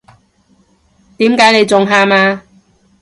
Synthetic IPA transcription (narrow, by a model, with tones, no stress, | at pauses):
t̪iː˨˥mkaː˨˥jne˨˧jt͡sʊ˨ŋɦaː˧maː˧